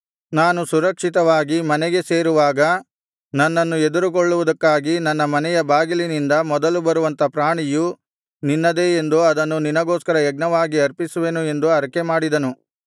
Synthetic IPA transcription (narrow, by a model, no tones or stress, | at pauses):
naːnusuɾɐkʂit̪ɐʋaːɡimɐnɛɡe̞se̞ːɾuʋaːɡɐ | nɐnːɐnːued̪uɾukoɭːuʋud̪ɐkːaːɡinɐnːɐmɐnɛjɐbaːɡilinind̪ɐmɔd̪ɐlubɐɾuʋɐnt̪ɐpɾaːɳiju | ninːɐd̪e̞end̪uɐd̪ɐnːuninɐɡoːskɐɾɐɛɡ̚nɐʋaːɡiɐɾpisuʋe̞ːnue̞nd̪uɐɾɐkemaːɽid̪ɐnu